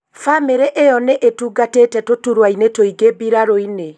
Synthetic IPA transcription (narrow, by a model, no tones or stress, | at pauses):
fameɾeʔejɔneʔetuːɡateːtɛtotuɾwainetoiɡebiɾaɾoine